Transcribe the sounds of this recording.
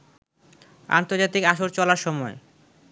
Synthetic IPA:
a̰nt̪oɾd͡ʑat̪ikaʃoɾt͡ɕɔlaɾʃɔmɔe

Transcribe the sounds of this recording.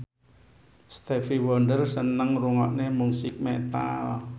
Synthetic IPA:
st̪efiwɔɳɖərsənəŋruŋɔʔnemusɪk̚mɛt̪a̰l

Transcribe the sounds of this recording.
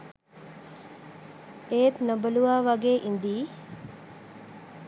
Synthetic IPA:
eːt̪nobəluʋaːʋaɡeːʔind̪iː

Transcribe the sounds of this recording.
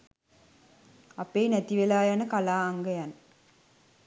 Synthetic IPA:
apeːnæt̪iʋelaːjanəkalaːŋɡəjanə

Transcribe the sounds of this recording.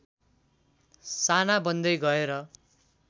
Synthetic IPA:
sanabʌnd̪ʌjɡʌeɾʌ

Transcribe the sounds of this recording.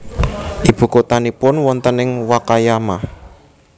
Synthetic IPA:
ʔib̥ṳkot̪anipʊnwɔnt̪ənɪŋwakajamah

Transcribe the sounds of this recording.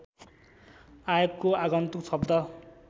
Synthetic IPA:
ajokkːoaɡʌnt̪uksʌb̚d̪ʱʌ

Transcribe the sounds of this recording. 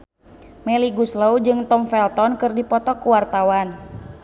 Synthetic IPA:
mɛliɡuslowd͡ʒɨŋt̪ɔmfɛlt̪ɔnkɨrdipɔt̪ɔkuwart̪awan

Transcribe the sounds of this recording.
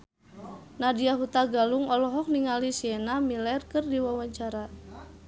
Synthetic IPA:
nadiaɦut̪aɡaluŋɔlɔɦɔk̚niŋalisiɛnamilɛrkɨrdiwawaɲt͡ʃaɾa

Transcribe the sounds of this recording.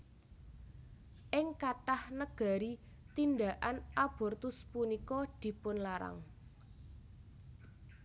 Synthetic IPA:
ʔɪŋkaʈahnəɡ̥a̤ɾi | t̪ind̪a̤ʔanʔab̥ɔ̤rt̪ʊspunikɔd̪̥i̤pʊnlaɾa̰ŋ

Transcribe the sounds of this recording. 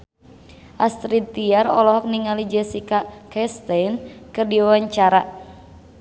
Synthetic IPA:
ʔast̪ɾit̪iarɔlɔɦɔk̚niŋalid͡ʒɛsikakɛst̪ɛjnkɨrdiawaɲt͡ʃaɾa

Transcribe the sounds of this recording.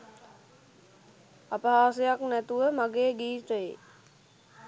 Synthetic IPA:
apaɦaːsejaknæt̪uʋəmaɡeːɡiːt̪əje

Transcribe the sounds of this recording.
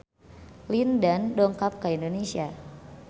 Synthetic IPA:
lindandɔŋkap̚kaindonesia

